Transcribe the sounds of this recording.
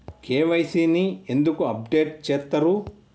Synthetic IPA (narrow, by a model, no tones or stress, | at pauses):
kʰeːʋɐjsiːniend̪ukuɐp̚ɖeːʈ̚t͡ʃeːt̪ːɐɾu